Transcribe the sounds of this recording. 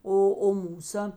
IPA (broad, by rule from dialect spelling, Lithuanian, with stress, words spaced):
ˈoː oː ˈmuːsɐ